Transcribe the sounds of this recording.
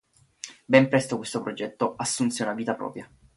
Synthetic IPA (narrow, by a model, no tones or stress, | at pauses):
bɛmpɾɛst̪okwest̪opɾod͡ʒɛt̪ːoasːunseunaviːt̪apɾɔ̰ːpɾja